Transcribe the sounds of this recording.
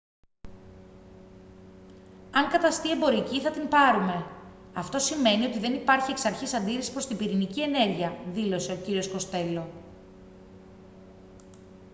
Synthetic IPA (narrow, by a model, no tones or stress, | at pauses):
ɐŋkɐt̪ɐst̪ie̞mbo̞ɾiciθɐt̪impɐɾume̞ | ɐft̪o̞sime̞nio̞t̪iðe̞nipɐɾçieksɐɾçisɐnd̪iɾisi̥pɾo̞st̪imbiɾinicie̞ne̞ɾʝiɐðilo̞se̞o̞ciɾio̞sko̞st̪e̞lo̞